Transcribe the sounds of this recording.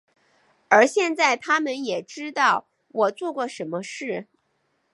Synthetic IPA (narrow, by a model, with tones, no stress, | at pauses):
ə˞˧˥ɕjɛ˥˧nt͡sa˥˩ɪt̪ʰa˥mə˨njɛ˨˩ʈ͡ʂɻ̩˥t̪ɑ˥˩ʊ | wɔ˨˩t͡swɔ˥˧kwɔ˥˩ʂə˧˥nmə˧ʂɻ̩˥˩